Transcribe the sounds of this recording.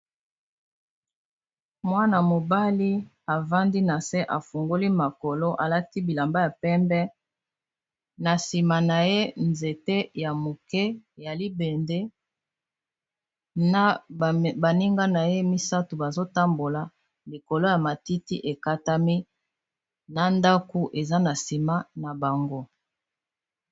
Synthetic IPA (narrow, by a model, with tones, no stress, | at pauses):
mwa˦na˨mo˨ba˦li˦ | a˨va˦ndi˦na˨se˦ʔa˨fu˨ŋɡo˦li˦ma˨ko˨lo˦ʔa˨la˦ti˦bi˨la˨mba˦ja˨pɛ˦mbɛ˦ | na˨si˨ma˨na˨je˦nze˨te˦ja˨mo˨kɛ˦˨ja˨li˦be˨nde˦ | a˦˨ba˨ni˦ŋɡa˦na˨je˦mi˦sa˦to˨ba˨zo˦ta˦mbo˨la˨ | li˨ko˨lo˦ja˨ma˨ti˦ti˦ʔe˨ka˦ta˦mi˦ | na˨nda˦ku˦ʔe˨za˦na˨si˨ma˦na˨ba˨ŋɡo˦